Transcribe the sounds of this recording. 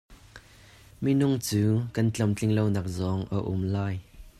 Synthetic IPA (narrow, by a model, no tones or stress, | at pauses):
minʊŋt͡suːkɐnt͡ɬɐmt͡ɬɪŋlownaːk̚zɔŋʔəʔʊmlaːj